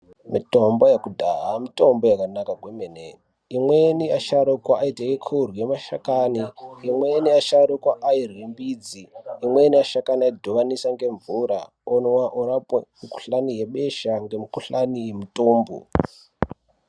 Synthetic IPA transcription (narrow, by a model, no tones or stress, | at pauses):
mito̞mbojekudʱaɦamito̞mbojakanakaɡwemene | imweniaʃaɾokwaaitaekʰuurwemaʃa̰kaniːmweniaʃaɾukwaʔairimbiːd͡ziːmweniaʃakanaidʱoʋanisaŋɡe̞ɱvuɾa̰ | onwaʔuɾapemiku̥ɬanije̞ɓe̞ʃaŋɡemikuɬanijemutoːmbo̰